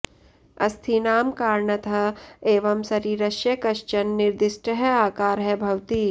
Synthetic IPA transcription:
ɐst̪ʰinaːmkaːɾɳət̪ʰɐeːʋɐmsɐɾiːɾɐʃjɐkɐʃt͡ʃɐnːɪɾd̪ɪʃʈəɦɛaːkaːɾɦɛbʱɐʋt̪iː

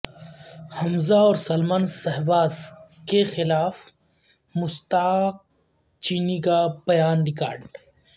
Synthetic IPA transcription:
hɐmzaɔːɾsɐlmaːnsɐɦbaːzkexɪlaːf | mʊst̪aːk̚ | t͡ʃiːnikab̥ɐjaːnɾɪka̰ːɾɖ

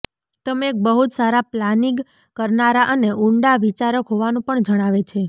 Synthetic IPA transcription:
t̪əmeek̚bəɦut̪saɾaplaniɡ | kəɾnaɾaʔəneʔuɳɖaʋit͡ʃaɾəkɦoʋanũpəɳd͡ʒəɽ̃aʋet͡ʃʰe

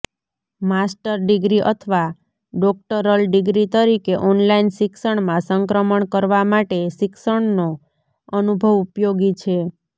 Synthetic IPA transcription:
masʈəɾɖɪɡɾiʔə̰t̪ʰʋa | ɖɔk̚ʈəɾəlɖɪɡɾit̪əɾikeʔɔnlainsɪksəɳmãsəŋkɾəməɳkəɾʋamaʈesɪksəɳno | ənubʱəʋupjoɡit͡ʃʰe

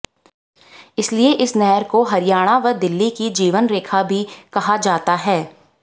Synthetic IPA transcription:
ɪslieʔɪsnɛɦəɾkoɦɐɾɪjaːɽ̃aʋɐɾd̪ɪlːikid͡ʒiːʋənɾeːkʰabʱikɐɦad͡ʒaːt̪aɦɛː

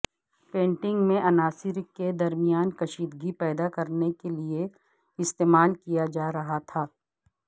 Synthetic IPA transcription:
pẽːɳʈɪ̃ŋɡmẽʔɐnaːsɪɾked̪ɐɾmijaːnkɐʃiːd̪ɡipɛːd̪akɐɾnekelie | ɪst̪eːmaːlkijad͡ʒaːɾɐɦat̪ʰaː

